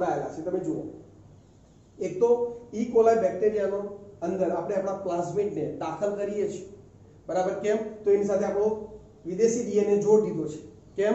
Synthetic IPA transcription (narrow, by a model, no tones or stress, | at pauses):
ɽaela̰t͡ʃʰet̪əmed͡ʒoo̰ | ek̚t̪oikolajbɛk̚ʈeɾijanoənd̪əɾapɽ̃eapɽ̃aplasmiʈned̪akʰəlkəɾiet͡ʃʰie | bəɾabəɾkɛmt̪oenisat̪ʰeapɽõ | ʋid̪eʃiɖiened͡ʒoɽd̪id̪ʱot͡ʃʰe̥ | kɛm